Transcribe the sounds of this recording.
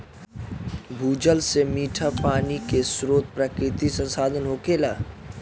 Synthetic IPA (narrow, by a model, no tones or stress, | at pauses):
bʱuːd͡ʒəlsemiːʈʰapaːnikesɾoːt̪̚pɾəkɾɪt̪isə̃nsaːd̪ʱənɦoːkeːlaː